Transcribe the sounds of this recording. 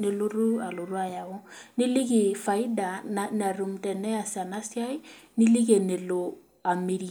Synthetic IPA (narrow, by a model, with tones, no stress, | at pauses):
ne˨lo˦ɾu˦a˨lo˨ɾu˦a˨ja˨wʊ˦ni˦li˦kɪ˨fa˨ɪ˦da˨na˨na˨ru˨m̩tɛ˨nɛ˦a˨sa˨na˦sja˦ɪ˦ni˦li˦k̬e˨ne˨lo˨ | a˨me˨ɾi˨